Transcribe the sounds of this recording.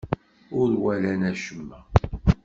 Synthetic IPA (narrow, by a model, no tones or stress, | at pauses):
ʊɾwælænæʃəmːæ